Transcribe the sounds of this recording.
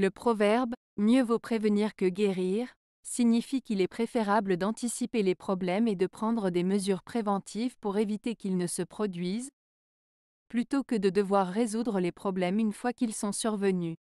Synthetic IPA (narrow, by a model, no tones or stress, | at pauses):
ləpχɔvɛʁb | mjøvopχevəniʁkəɡeʁiʁ | siɲifikʲilɛpχefeʁabləd̪ɑ̃t̪isipelepχɔblɛmed̪əpχɑ̃d̪ʁəd̪eməzyʁpχevɑ̃t̪ʰivpuʁevit̪ekʲilnəsəpχɔd̪ɥiz | plyt̪okəd̪əd̪əvwaʁːezud̪ʁəlepχɔblɛmynfwakilsɔ̃syʁvəny